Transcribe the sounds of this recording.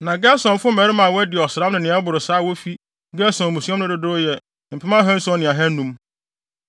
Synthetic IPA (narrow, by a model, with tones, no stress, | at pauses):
nã˨ɡɛ˦sɔ̃˨n˨fʊ˦mɛ̃˨ɾɪ˦mã˨wɛ˦dɪ˨ɔ˨sɾa˦mnʊ̃˨nɪ̃˨˦ɛ˦bʊ˨ɾʊ˨saː˦˨wo˦fi˦ | ɡɛ˦sɔ̃˨n˨mũ˨si˦a˦nʊ̃˦dɪ˨dʊ˦jɛ˨ | m̩˨pʰɪ˦mã˦ɦɛ̃˦n̩˦sɔ̃˦nɪ̃˨a˨ɦɛ˦nũ˦m